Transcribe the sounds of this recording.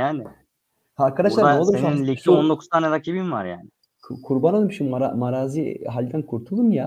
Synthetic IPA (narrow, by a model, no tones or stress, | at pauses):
jaːnɪ | haːɾkʰad̪aʃlˠaɾɾeolˠuɾeninlʲiiond̪o̞kʰuzt̪ʰaːnɛd̪acʰibimva̰ɾja̰ːnɪ | kʰkʰuɾbanalˠɯmʃimɾamaɾaːziɦalʲd̪ænkʰuɾt̪ʰulˠumja